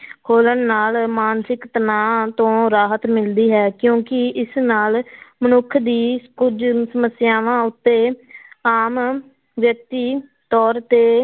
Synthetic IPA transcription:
hʰoːlənːaːlmaːnsɪkt̪ənãːt̪õːɾaːɦət̪mɪld̪iːɦɛːkjõːkɪɪsnaːlmənʊkʰd̪iːkʊd͡ʒsəməsɪjaːʋãːʊt̪ːeːaːm | ʋjək̚t̪iː | t̪ɔːɾt̪eː

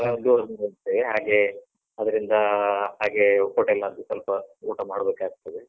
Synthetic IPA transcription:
ɐɐd̪uːɾɐnolt̪ːeʋeɦaːɡe̞ | ɐd̪ɐɾind̪ɐhaːɡe̞koːʈelːaːd̪usɐlpɐuːʈɐmaːɽbeːkaːɡut̪ːɐd̪e

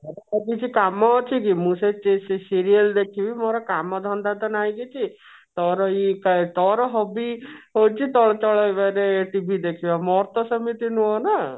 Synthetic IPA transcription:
ɔɾɔakit͡ʃʰikamɔːt͡ʃʰikimũset͡ʃesesiɾiəld̪ekʰibimoɾɔkamɔd̪ʱɔnd̪ad̪ɔnajɡit͡ʃʰi | t̪ɔɾɔikat̪ɔɾɔɦɔbiɦot͡ʃʰit̪ɔɭɔt͡ʃɔɭajbaɾeːʈibʱid̪ekʰibamɔɾt̪ɔsɔmit̪inũɔna

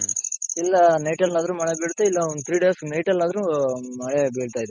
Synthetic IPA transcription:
ilːɐnɐjʈɐlːaːd̪ɐɾumɐɭebeːɽut̪ːeilːɐonut̪ʰɾiːɖesnɐjʈɐlːaːd̪ɐɾumɐɭebeːɽt̪aːjd̪e

